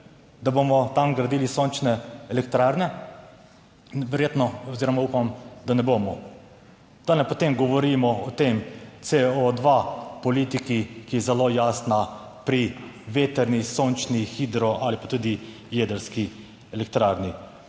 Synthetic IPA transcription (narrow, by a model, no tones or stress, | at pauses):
d̪aboːmɔt̪amɡɾad̪ilisont͡ʃnɛɛlɛkt̪ɾaɾnɛ | ʋɛɾjet̪nɔɔziːɾɔmaupamd̪anɛboːmɔ | d̪̥anɛpɔt̪emɡɔʋɔɾimɔɔt̪emseɔd̪ʋapɔliːt̪ikikijɛzɛloːjaːsna | pɾi | ʋet̪ɛɾnisont͡ʃnixid̪ɾɔʔalipat̪uːd̪i | jed̪əɾski | ɛlɛk̚t̪ɾaɾni